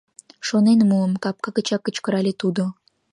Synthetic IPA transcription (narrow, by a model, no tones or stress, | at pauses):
ʃonenmuəmkɑp̚kɑkət͡ɕɑkːə̆t͡ɕkə̆ɾɑlʲet̪ud̪o